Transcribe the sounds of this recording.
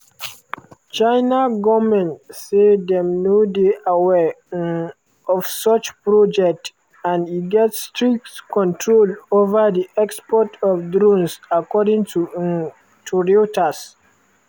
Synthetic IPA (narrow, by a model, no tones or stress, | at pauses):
t͡ʃaɪnaɡɔmɛ̃ntsedɛ̃mnodeʔawɛ | ɔfsɔt͡ʃpɹɔd͡ʒɛk̚t | ãndiɡɛtstɹik̚tkɔ̃ntʰɹolovədiʔɛkspɔtʰɔfdɹõnsakɔdĩŋtʰu | tʰuɹiotas